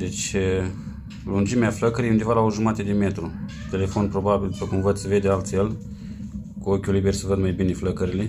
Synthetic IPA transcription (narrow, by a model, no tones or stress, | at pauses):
d̪e̞t͡ʃʲ | lund͡ʒimeafləkəɾijund̪evalaoʒumat̪ed̪eme̞t̪ɾu | t̪e̞le̞fo̞npɾo̞babild̪upəkumvəd̪səve̞d̪ealt̪sʲjel | kuokʲulibe̞rʲsəvəd̪majbine̞fləkəɾile